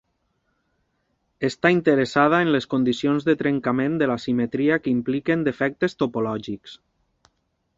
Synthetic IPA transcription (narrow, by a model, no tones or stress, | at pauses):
est̪aint̪əɾesað̞aenleskond̪isionzðət̪ɾeŋkamẽnd̪əlasimet̪ɾiakimplikend̪efɛk̚t̪est̪opolɔʒiks